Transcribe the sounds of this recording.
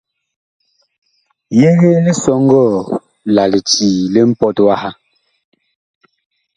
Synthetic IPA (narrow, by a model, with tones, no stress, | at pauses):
je˦ɣe˦li˦sɔ˦ŋ˦ɡɔ˦˨ | la˨li˨tiː˨le˦m̩˦pɔ˦twa˦ha˦